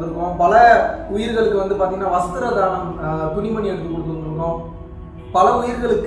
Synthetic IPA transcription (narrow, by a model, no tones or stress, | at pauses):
ɯɾɯkːʊ̃pɐlɐʊjɪɾɯɣɐɭɯkːɯʋɐnd̪ɯpaːɾt̪iːŋɡɐnːaːʋɐst̪ɯɾɐðaːɭɐmt̪ʊɳɪmɐɳiɛɽɯt̪ːɯkːɔɽɯkːɯɯnɯɯɳõː | pɐlɐʊjɪɾɯɣɐɭɯkː